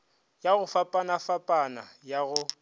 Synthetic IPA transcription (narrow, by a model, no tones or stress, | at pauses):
jaɣʊfapʼanafapʼana̰jaɣʊ